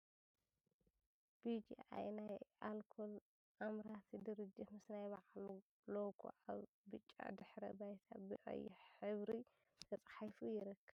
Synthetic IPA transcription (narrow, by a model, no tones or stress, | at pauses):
b̥id͡ʒḭa̰jnajʔalkʰol | ʔamɾat̪ʰid̪ɨɾɨd͡ʒːɨħmɨsnajbaʕlu | lokʰo̰ʔaβ | bɨt͡ʃʼːa̰d̪ɨħɾɐbajt̪ʰa̰bɨʔʼɐ̰jːɪħɨβɾi | t̪ʰɐt͡sʼħajfujɪɾɐkʰːɐβ